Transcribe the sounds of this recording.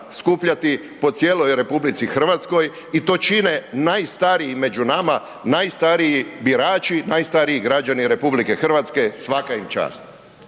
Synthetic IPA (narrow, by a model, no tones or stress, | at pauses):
skupʎat̪i | po̞t̪sʲjeːlo̞jɾe̞publit̪sixr̩ʋat̪sko̞j | it̪o̞t͡ʃine̞najst̪aɾiime̞d͡ʒunama | najst̪aɾiibiɾaːt͡ʃinaːjst̪aɾiiɡɾad͡ʒaniɾe̞publike̞xr̩ʋat̪ske̞sʋakaimt͡ʃa̰ːst̪